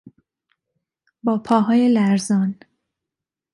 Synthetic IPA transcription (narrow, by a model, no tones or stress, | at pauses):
bɒːpʰɒːɦɒːjelæɾzɒːn